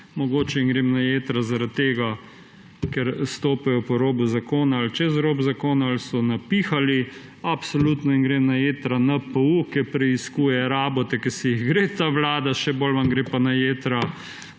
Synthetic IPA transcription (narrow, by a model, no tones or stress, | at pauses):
mɔɡoːt͡ʃɛinɡɾemnajeːt̪ɾazaɾat̪̚t̪ːeːɡa | kɛɾst̪oːpɛjɔpɔɾoːbuzakoːnaalt͡ʃɛzɾoːbzakoːnaalsɔnapiːxali | apsoluːt̪nɔinɡɾemnajeːt̪ɾanapəukɛpɾɛiskuːjɛɾaːbɔt̪ɛkɛɾsijiɣɡɾet̪aʋlaːd̪aʃɛbolʋamɡɾepanajeːt̪ɾa